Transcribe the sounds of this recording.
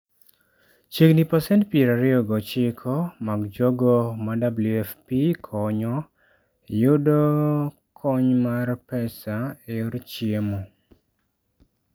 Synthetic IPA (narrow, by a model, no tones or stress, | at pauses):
t͡ʃeknipasɛntpieɾaɾɪɔɡɔt͡ʃɪkʰɔmaɡd͡ʒoɡɔmadabluɛfpikʰɔɲɔ | jʊdo | kʰɔɲmarpɛsaejoɾt͡ʃiemo